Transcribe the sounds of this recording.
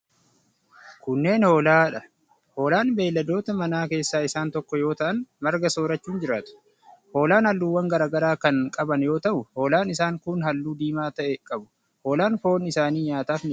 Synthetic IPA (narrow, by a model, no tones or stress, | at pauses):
kʊnːe̞ːnho̞ːlaːᶑɐ | ho̞ːlaːnbe̞ːlːɐd̪o̞ːt̪ɐmɐnaːke̞ːsːaːɪsaːnt̪ɔkːɔjo̞ːt̪ɐʔɐnmɐɾɡɐso̞ːɾɐt͡ʃːuːnd͡ʒɪɾaːt̪ʊ̥ | ho̞ːlaːnhɐlːuːwːɐŋɡɐɾaːɡɐɾaːkɐnkʼɐbɐnjo̞ːt̪ɐʔʊho̞ːlaːnɪsaːŋkʊnhɐlːuːd̪iːmaːt̪ɐʔɛkʼɐbʊ̥ | ho̞ːlaːnfo̞ːnɪsaːniːɲaːt̪aːfnɪ